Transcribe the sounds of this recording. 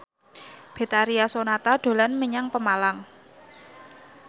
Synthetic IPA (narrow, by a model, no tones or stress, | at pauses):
b̥e̤t̪aɾiasonat̪aɖ̪̥o̤lanməɲaŋpəmalaŋ